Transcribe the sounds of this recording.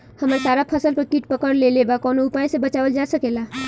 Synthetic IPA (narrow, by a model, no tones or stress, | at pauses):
həməɾsaɾapʰəsəlpəɾkiʈpəkəɾlelebakɔnoupajsebət͡ʃaʋəld͡ʒasəkela